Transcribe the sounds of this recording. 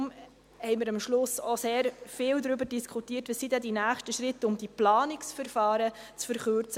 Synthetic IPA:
m | hɛɪmɪɾɑmʃlʊsoseːɾfɪːldɾʏbəɾdiskʰutiərtʋəsidɛdinæːχʃtəʃɾɪtʊmd̥iplɑːnɪksfəɾfɑːɾət͡sfəɾχøɾt͡sə

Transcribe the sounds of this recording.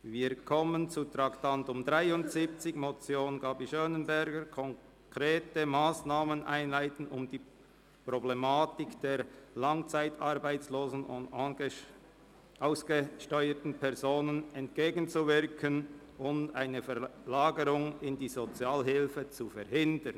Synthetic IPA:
viːkʰɔmənt͡sutʁɑktantʊmdʁaɪʊntz̥iːp̚t͡sɪçmot͡sjoːnɡɑːbiʃønənbɛɾɡəkʰɔŋ | kʁeːtəmaːsnaːmənʔa̰ɪnlaɪtn̩ʊmd̥iː | pʁoblemaːtɪkd̥eːɾlɑŋt͡saɪtɑɾbaɪt͡sloːzn̩ʊ̰nd | ʔaʊsɡ̥əʃtɔʏətn̩pʰɛʁzoːnənɛntɡ̥eːɡn̩t͡suvɪʁkʰən | ʊntaɪnəfɛlaːɡəɾʊŋɪndiːzot͡sjaːlɦɪlfət͡sufɛɾhɪndən

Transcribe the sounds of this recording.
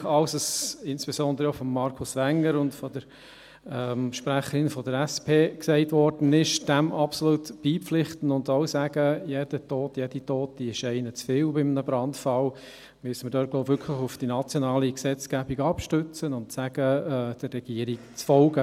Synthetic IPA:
ɑʊsəsɪnsb̥esɔnd̪əɾəofɔmːɑɾkʰʊsʋæŋːəɾʊntfɔd̥əɾ | ɛːmʃpɾæχəɾɪnfɔd̥əɾæspʰeːksɛɪtʋɔɾd̥ən̩ɪʃd̥ɛmɑpsoluːtb̥iːpflɪχtn̩ʊndoʊsæɡ̥əjed̥ətɔːtjed̥itoːt̚d̥iɪʃɛɪnət͡sfɪːlbɪmnəbɾɑntfɑl | mysəməɾdøːt̚ɡ̥lɔʊpvʏkʰləχʊfd̥inɑt͡sjɔnɑːliksɛt͡sɡæbiɡɑpʃtøt͡sənʊntsæɡ̥əd̥ərːɛɡ̥iːəɾɪkt͡sfɔlɡə

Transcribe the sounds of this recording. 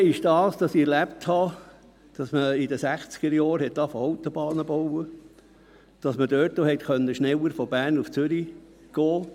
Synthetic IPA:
ɪʃd̥ɑːsd̥ɑsiɛɾlæpthɑ | d̥ɑsməidəsæχt͡sɡ̥əɾjɑːɾhɛt̚d̥ɑfəɔʊt̪obɑːnəbowə | d̥ɑsməd̥øːtːohɛt̪χœnːəʃnɛwəɾfɔbæːrnuft͡syɾi | ɡ̥oː

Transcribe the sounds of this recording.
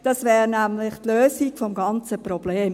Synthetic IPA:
d̥ɑsvɛːɾnæmlɪχtløːsiɡfɔmɡɑnt͡səprɔb̥leːm

